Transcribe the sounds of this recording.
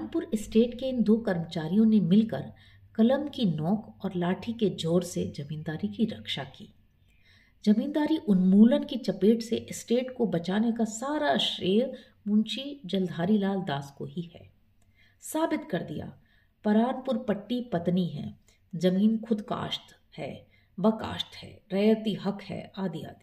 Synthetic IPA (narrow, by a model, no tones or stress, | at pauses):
npʊɾɪsʈeːʈkeɪnd̪oːkɐɾmət͡ʃaːɾijõnemɪlkə̰ɾ | kɐləmkinɔːkɔːɾlaːʈʰiked͡ʒoːɾsed͡ʒɐmiːnd̪aːɾikiɾɐkʃakḭː | d͡ʒɐmiːnd̪aːɾiʔʊnmuːlənkit͡ʃɐpeːʈseʔɪsʈeːʈkobɐt͡ʃaːnekasaːɾaʃɾeːɾ | mʊ̃nt͡ʃid͡ʒɐld̪ʱaːɾilaːld̪aːskoɦihɛ̰ː | saːbɪt̪kɐɾd̪ija̰ː | pɐɾaːnpʊɾpɐʈːipɐt̪niɦɛ̰̃ː | d͡ʒɐmiːnkʰʊd̪ka̰ːʃt̪ | hɛ̰ː | bɐka̰ːʃt̪hɛ̰ːɾɐːət̪iɦɐkhɛ̰ːaːd̪ija̰ːd̪i